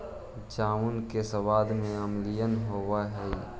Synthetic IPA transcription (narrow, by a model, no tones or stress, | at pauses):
d͡ʒaːunkesəʋaːd̪mẽəmlijənɦoːwaɦɛi